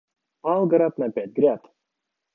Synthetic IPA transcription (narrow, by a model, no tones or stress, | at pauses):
alˠɡaɾapnapʲæt̪̚ʲɡɾʲat̪